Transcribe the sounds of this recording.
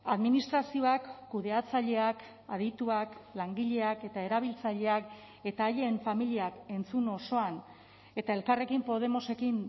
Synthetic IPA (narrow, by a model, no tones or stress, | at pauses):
aðminist̪ɾasio̞akːuðe̞at͡saʎe̞ak | að̞it̪uaklaŋɡiʎe̞ake̞t̪ae̞ɾaβ̞ilt͡saʎe̞ak | e̞t̪aːje̞ɱfamiliake̞nt͡suno̞so̞an | e̞t̪ae̞lkare̞kimpo̞ð̞e̞mo̞se̞kin